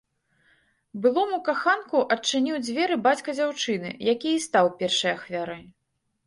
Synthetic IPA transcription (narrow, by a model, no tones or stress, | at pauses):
bɨlˠɔmukaxankuʔɐt͡ʂːɨnʲiwd͡zʲvʲɛɾɨbat͡sʲkɐd͡zʲawt͡ʂɨnɨ̰jakʲijist̪awpʲɛrʂɐjaxvʲaɾɐj